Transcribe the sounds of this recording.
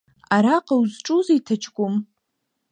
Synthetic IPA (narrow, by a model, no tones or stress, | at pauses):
aɾaqʼawzʈ͡ʂʼuziitʰat͡ʃʰɡʷʊm